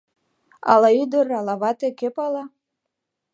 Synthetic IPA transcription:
ɑ̰lɑyd̪əɾɑlɑβɑt̪ekepɑlɑ

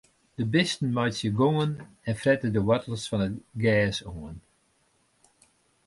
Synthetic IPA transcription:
d̥əbɪstn̩mɔjsjəɡoŋən | ɛnfrɛtədəwɔtəlˠsfɔnəɡɛːsoən

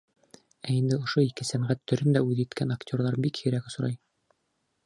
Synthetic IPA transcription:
æind̪ɘŏʃoikɘsæmʁæt̪ʰːɵ̆ɾɵnd̪æʉðjɘ̆t̪kʰænaktʲorðˠɑɾbikhɵ̆ɾækŏs̆ɾɑj

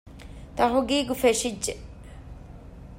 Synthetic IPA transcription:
t̪ɐɦoɡiːɡufeʂid͡ʒːe

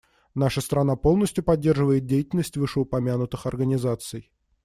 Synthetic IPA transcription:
naʂəst̪ɾɐnapo̞lˠnəsʲtʲjʊpɐdʲːe̞rʐɨvəjɪt̪̚dʲejɪtʲɪlʲnəsʲtʲvɨʂəʊpɐmʲanʊt̪ɨxɐrɡənʲɪzat̪sɨj

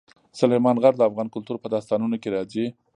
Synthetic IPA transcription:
sʊlajmɑnɣaɾd̪əafɣɑnkʊlt̪uɾpəd̪ɑst̪ɑnunokeɾɑzi

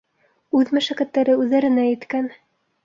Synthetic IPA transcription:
ʉðmɵ̆ʃækæt̪ːæɾɘʉðːæɾɘ̆næjɘ̆t̪kæn

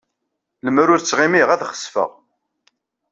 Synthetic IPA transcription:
ləmɾʊɾt͡sːʁimiʁæðχə̥sfə̰ʁ

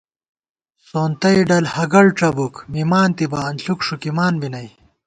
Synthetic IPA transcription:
soːnt̪ɐjɖɐlhɐɡɐɭʈ͡ʂɐbukmimaːnt̪ibɐːnɬukʂukimaːnbinɐj

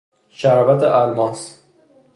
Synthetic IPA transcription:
ʃæɾɒːvæt̪ʰeʔælmɒːs

